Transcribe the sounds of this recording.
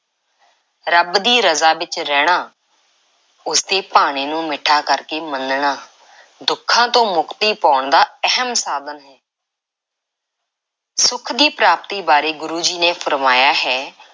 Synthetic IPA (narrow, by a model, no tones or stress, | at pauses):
ɾəbd̪iːɾəzaːʋɪt͡ʃɾɛːɽ̃aː | ʊst̪eːpaːɽ̃eːnũːmɪʈʰaːkəɾkeːmənɳaː | d̪ʊkʰːãːt̪õːmʊkt̪iːpaːɳd̪aːəɦəmsaːd̪ənɦɛː | sʊkʰd̪iːpɾaːp̚t̪iːbaːɾeːɡʊɾuːd͡ʒiːnẽːpʰəɾmaːjaːɦɛː